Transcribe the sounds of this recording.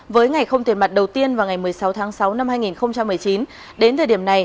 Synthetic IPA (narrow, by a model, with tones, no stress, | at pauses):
vəː˨˦jŋa˨˩jxə˧wŋ͡mt̪i˨˩ma˨˩t̚ɗə˨˩wt̪i˧ənvaː˨˩wŋa˨˩jmɨ˨˩əjsa˨˦wt̪ʰaː˨˦ŋsa˨˦wna˧mhaː˧jŋi˨˩nxə˧wŋ͡mt͡ɕa˧mːɨ˨˩əjt͡ɕi˨˦n | ɗe˨˦nt̪ʰəː˨˩ɗi˧˩əna˨˩j